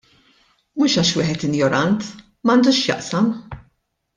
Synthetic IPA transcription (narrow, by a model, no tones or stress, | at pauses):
muːʃɐːʃwiːħɛt̪ɪnjɔɾɐnt̪ | mɐnd̪uːʃjɐ̰ʔsɐm